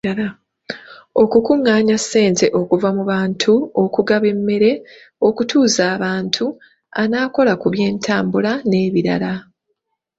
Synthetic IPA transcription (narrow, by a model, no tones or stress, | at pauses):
o̞kukuŋːaːɲasːe̞ːnte̞ʔo̞kuvamuβaːntʰuo̞kuɡaβe̞mːe̞ɾe̞ | o̞kutuːzaːβaːntʰu | anaːko̞lakuβje̞ːntʰaːmbulane̞ːβiɾa̰la